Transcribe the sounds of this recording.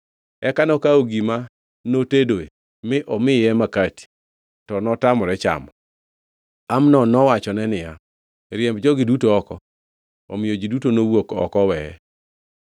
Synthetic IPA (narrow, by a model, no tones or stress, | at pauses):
ɛkanɔkaoɡima | notedoḛ | mɪʔɔmɪjɛmakati̥ | tɔnɔtamɔɾɛt͡ʃa̰mɔ | amnɔnɔwat͡ʃɔnɛnɪja | ɾjɛmbd͡ʒɔɡɪdutoɔkɔ | ɔ̰mɪjod͡ʒidutonowokɔ̰kɔwɛɛ̰